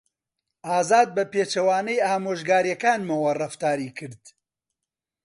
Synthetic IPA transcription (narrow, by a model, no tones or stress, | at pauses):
ʔaːzaːd̪̚bɐpeːt͡ʃɐwaːnɐjaːmoːʒɡaːɾjɛkaːnmɐwɐrɐft̪aːɾiːkʰɨɾd̪̥